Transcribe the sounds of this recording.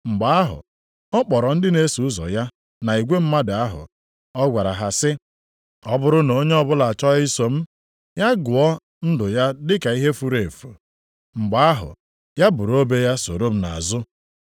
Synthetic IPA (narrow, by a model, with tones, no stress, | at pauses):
ŋ͡m̩˨ɡ͡ba˨˦a˦ɦʊ̰˨ | ɔ˦k͡pɔ˨ɾɔ˨n̩˦dɪ˦ne˦su˨ʊ˦zɔ̰˨ja˦ | na˨i˨ɡʷe˦m̩˦ma˦da˦ɦʊ̰˨ | ɔ˦ɡʷa˨ɾa˨ɦa˨sɪ˦ | ɔ˦bʊ˦ɾʊ˦no˨˦ɲe˦ɔ˦bʊ˦la˨a˨t͡ʃɔ˦i˦so˦m̩˦ | ja˦ɡʊ˨ɔ˦ | n̩˦dʊ˨ja˦dɪ˦ka˨i˦ɦe˦fu˦ɾe˨fṵ˨ | ŋ͡m̩˨ɡ͡ba˨a˦ɦʊ̰˨ | ja˦bʊ˨ɾo˦be˦ja˦so̰˨ɾo˦m̩˦na̰˨zʊ˦